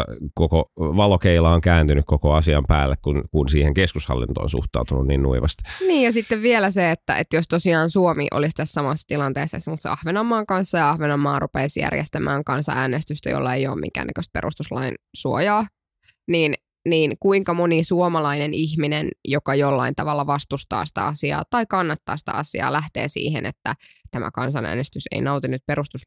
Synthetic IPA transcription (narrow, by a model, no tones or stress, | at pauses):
kokoʋɑlokeilɑoŋkæːnt̪ynykkokoɑsiɑmpæ̰ːlːekkunkunsiːheŋkeskushɑ̰lːḭnt̪o̰o̰nsṵht̪ɑ̰ut̪ununniːnnṵiʋɑst̪niːjjɑsit̪ːeʋʋielæseet̪ːæ̰ḛt̪jost̪osiɑːnsuomḭʔo̰list̪æssɑmɑsːɑ̥t̪ilɑnt̪eːsːḛːsːmut̪sḛʔɑhʋenɑmːɑːŋkɑnsːɑjɑɑhʋenɑmːɑːrupeːsjæ̰rjḛst̪æmæ̰ːŋkɑnsɑ̰æːnest̪yst̪æ̰jo̰lːɑḛjo̰ːmmḭŋkæ̰ːnːæ̰kø̰st̪̚pḛrṵst̪uslɑ̰insuojɑː | niːn | niːnkuiŋkɑmonisuomɑlɑineniçminenjokɑjolːɑ̰int̪ɑʋɑlːɑʋɑst̪ust̪ɑ̰ːsi̥t̪æ̰ɑsiɑ̰ːt̪ɑikɑnːɑt̪ːɑ̰ːsi̥t̪æ̰ɑsiɑ̰ːlæht̪ḛːsḭːhḛnḛt̪ːæt̪æmʔæ̰kɑnsɑnʔæ̰ːnest̪ysḛinɑut̪inyt̪̚peɾust̪us